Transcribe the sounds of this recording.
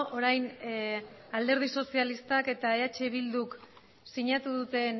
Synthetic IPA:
ʔoɾajn | ald̪e̞ɾð̞iso̞sialist̪ake̞t̪aeat͡ʃe̞βild̪uk | siɲat̪uð̞ut̪e̞n

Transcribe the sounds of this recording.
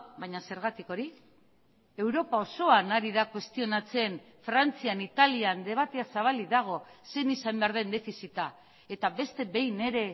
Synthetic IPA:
bajɲase̞ɾɣ̞at̪iko̞ɾi | e̞wɾo̞pao̞so̞anaɾiðakwe̞st̪io̞nat͡se̞n | fɾant͡sianit̪aliand̪e̞βat̪e̞asaβ̞aliðaɣ̞o̞se̞nisambeaɾðe̞nd̪e̞fisit̪a | e̞t̪aβe̞st̪e̞βe̞jne̞ɾe̞

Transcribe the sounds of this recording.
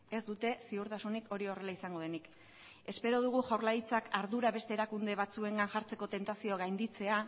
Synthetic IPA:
e̞zd̪ut̪e̞siuɾt̪asunikʰo̞ɾio̞re̞laisaŋɡo̞ð̞e̞nik | e̞spe̞ɾo̞ð̞uɣ̞uʝawɾlait͡sakaɾðuɾaβe̞st̪e̞ːɾakund̪e̞β̞at͡sue̞ŋɡanʝaɾt͡se̞ko̞t̪e̞nt̪asio̞ɣajnd̪it͡se̞a

